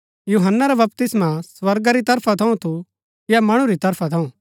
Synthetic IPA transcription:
juːɦənːaɾɛbɐpt̪ɪsmaswɐɾɡaɾit̪ɐɾpʰat̪ʰɐũt̪ʰu | jamɐɽ̃ũɾit̪ɐɾpʰat̪ʰɐũ

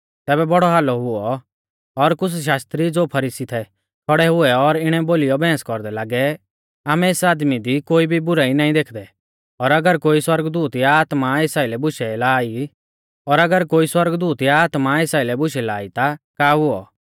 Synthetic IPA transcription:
t̪ɛːbɛbɔɽɔɦaːlɔɦʊɔ | ɔɾkʊt͡sʰʃ̬aːst̪ɾid͡zoːpʰɐɾiːsit̪ʰɛ | kʰɔɽɛɦʊɛɔɾɪɽ̃ɛboːlɪjɔbɛ̃ːskɔɾd̪ɛlaːɡɛ | aːmɛeːsaːd̪mid̪ikoːibʱibʊɾaːinaːĩd̪eːkʰd̪ɛ | ɔɾɐɡəɾkoːiswɐɾɡd̪uːt̪jaaːt̪maɪsaːilɛbʊʃɛlaːi | ɔɾɐɡəɾkoːiswɐɾɡd̪uːt̪jaːt̪maɪsaːilɛbʊʃɛlaːit̪akaːɦʊɔ

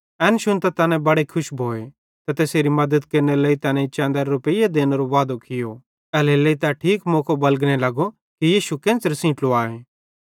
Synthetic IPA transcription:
ɛːnʃʊnt̪at̪ɐnɛ̃bɐɽekʰʊʃbʱoːe | t̪ɐt̪eːseːɾimɐd̪əd̪keːɾneleːit̪ɐːnɛ̃it͡ʃɛ̃ːnd̪əɾɾʊpəijed̪eːneɾoʋaːd̪okɪjo | ɛːleleit̪aʈʰiːkmoːkʰobɐlɡñelɐɡo | kijiːʃukẽːnt͡səɾsĩːʈloaːeː

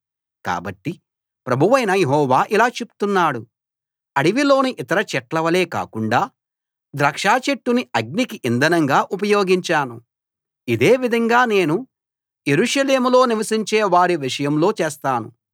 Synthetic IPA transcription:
ka̰ːbɐʈːi | pɾɐbʱuʋɐjnɐjeɦɔːʋaːʔilaːt͡ʃepu̥t̪unːaːɽu | ɐɽiʋilo̞ːniʔit̪ɐɾɐt͡ʃɛʈlɐʋɐle̞ːka̰ːkuɳɖaː | d̪ɾɐkʂaːt͡ʃeʈːuniɐɡ̚nikiʔind̪ɐnɐŋɡaːʔup̬ɐjo̞ːɡiɲt͡ʃaːnu | id̪e̞ːʋid̪ʱɐŋɡaːne̞ːnu | je̞ɾuʂɐle̞ːmulo̞ːniʋɐsiɲt͡ʃeːʋaːɾiʋiʂɐjɐmlo̞ːt͡ʃeːst̪aːnṵ

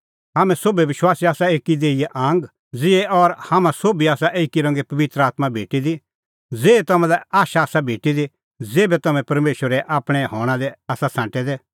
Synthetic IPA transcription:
ɦaːmɛ̃soːbiʋɪʃwaːsiaːsaeːkid̪eːijeʔãːŋɡ | d͡zɪɛʔɔɾhaːmãsoːbiaːsaʔeːkiɾɐ̃ŋɡepɐʋɪt̪ɾəaːt̪mabʱeːʈid̪i | d͡zeːet̪ɐmɛ̃lɛaːʃaːsabʱeːʈid̪i | d͡zeːbɛt̪ɐmɛ̃pɐɾmeːʃwəɾɛʔaːpɽ̃ɛɦɔ̃ːɽ̃ãd̪ɛaːsasãːʈɛd̪ɛ

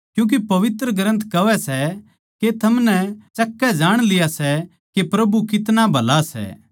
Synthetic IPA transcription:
kjũːk̬epɐʋɪt̪ɾəɡɾə̃nt̪ʰkɐʋɛsɛ | ket̪ʰɐmnɛt͡ʃɐkːɛd͡ʒaːɽ̃lɪjasɛ | kepɾɐbukɪt̪nabʱɐlasɛ̰ː

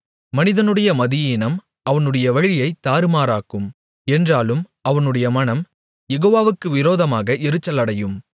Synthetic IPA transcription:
mɐnɪðɐnɯɽɐjɐmɐðɪjiːnɐm | ɐʋɐnɯɽɐjɐʋɐɻɪjɐɪt̪ːaːɾɯmaːɾaːkɯm | ɛndraːlɯm | ɐʋɐnɯɽɐjɐmɐnɐm | jɛɣoːʋaːʋɯkːɯʋɪɾoːðɐmaːɣɐʔɪɾɯt͡ʃːɐlɐɽɐjɯm

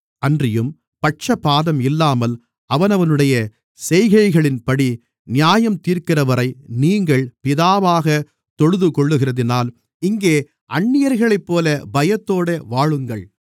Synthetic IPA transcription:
ɐndrɪjɯm | pɐʈ̚t͡ʃɐpːaːðɐmɪlːaːmɐl | ɐʋɐnɐʋɐnɯɽɐjɐ | sɛjɣɐɪɣɐɭɪnpɐɽi | nɪjaːjɐmt̪iːɾkɪrɐʋɐɾɐɪniːŋɡɐɭpɪðaːʋaːɣɐ | t̪ɔɻɯðɯkɔɭːɯɣɪrɐðɪnaːl | ɪŋɡeː | ʔɐɳːɪjɐɾɣɐɭɐɪpːoːlɐbɐjɐt̪ːoːɽɐʋaːɻɯŋɡɐɭ

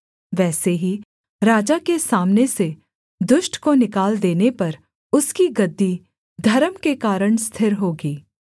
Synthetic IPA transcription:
ʋɛːseɦi | ɾaːd͡ʒakesaːmnese | d̪ʊʃʈkonɪkaːld̪eːnepɐɾ | ʊskiɡɐd̪ːi | d̪ʱɐɾəmkekaːɾəɽst̪ʰɪɾɦoːɡiː

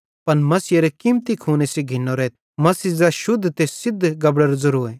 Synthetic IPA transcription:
pɐnmɐsijeɾekimt̪ikʰuːneseɡʱɪnːoɾɛːt̪ | mɐsizaʃʊd̪ʱːt̪esɪd̪ʱːɡɐbɽəɾzɐɾuːe

